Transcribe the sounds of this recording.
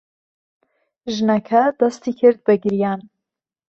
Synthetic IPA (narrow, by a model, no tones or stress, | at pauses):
ʒɨnɐkʰɐd̪ɐst̪iːkʰɨɾd̪̚bɨɡɨɾjaːn